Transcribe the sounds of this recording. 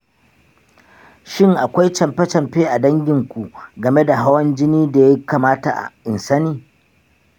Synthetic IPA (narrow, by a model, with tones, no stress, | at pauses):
ʃɪ˦ŋʔa˨kʷa˦jt͡ʃɐ˨mpɛ˦t͡ʃɐ˨mɸeː˦ʔa˨dɐ˦ŋɡʲɪ˨ŋkʷu˨ɡɐ˨me˦da˨ɦa˦wɐ˦nd͡ʒɪ˦niː˦da˨ja˦kaː˨maː˦ta̰˨ʔa̰˨ʔɪ˨nsɐ˦niː˦